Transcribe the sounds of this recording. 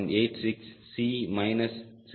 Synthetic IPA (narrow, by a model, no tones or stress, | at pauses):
neːtsɪksːiːmaɪnəst͡sʰ